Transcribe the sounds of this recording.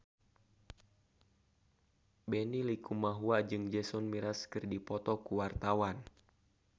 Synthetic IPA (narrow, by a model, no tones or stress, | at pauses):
bɛnilikumaɦuad͡ʒɨŋd͡ʒɛsɔnmiɾaskɨrdipɔt̪ɔkuwart̪awan